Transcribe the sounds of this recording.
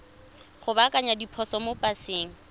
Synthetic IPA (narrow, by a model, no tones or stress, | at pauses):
χʊbakʼaɲadipʰɔsɔmopʼaseːŋ̩